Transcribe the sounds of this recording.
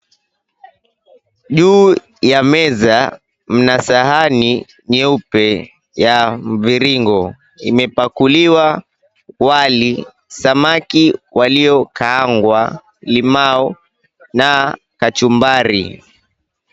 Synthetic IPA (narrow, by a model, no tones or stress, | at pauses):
ʄuː | jamɛza | m̩nasaɦani | ɲɛupɛ | jam̩viɾiŋɡɔ | imɛpakuliwa | wali | samakiwaliɔkaːŋɡwa | limaɔ | na | kat͡ʃumbaɾḭ